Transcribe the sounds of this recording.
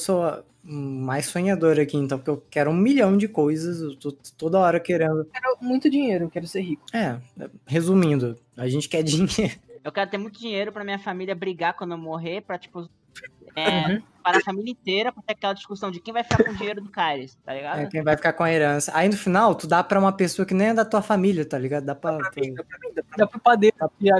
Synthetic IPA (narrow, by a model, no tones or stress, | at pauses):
soɐ | majssõɲad̪oɾɐakiẽnt̪ɐ̃w̃kewkɛɾʊũmiʎɐ̃w̃d͡ʒɪkojzɐsewt̪ot̪od̪ɐɔɾɐkeɾẽnd̪ʊkɛɾʊmũj̃t̪ʊd͡ʒiɲejɾʊkɛɾʊseɾɦikʊ̥ɛɛhezumĩnd̪ʊ | aʒẽnt͡ʃɪ̥kɛd͡ʒiɲeɾʊewkɛɾʊt̪eɾmũj̃t̪ʊd͡ʒiɲejɾʊpɾɐmĩɲɐfamiliɐbɾiɡakwɐ̃nd̪ʊewmoɦeɾpɾɐt͡ʃi̥pʊ | ɛ | paɾɐfamilʲjɐĩt̪eɾɐpɾɐt̪eɾɐkɛlɐd͡ʒiskusɐ̃w̃d͡ʒɪkẽj̃vajfi̥kakõd͡ʒĩɲejɾʊd̪ʊkaɾɪst̪a̰liɡaɛʊkẽj̃vajfi̥kaɾkõɐeɾɐ̃sɐʔainʊfinawt̪ud̪apɾɐũmɐpesoɐkɪnẽj̃ɛd̪ɐt̪uɐfamiliɐt̪aliɡad̪ʊd̪apɾɐpapɐed̪ad̪apɾɐpad̪et̪apa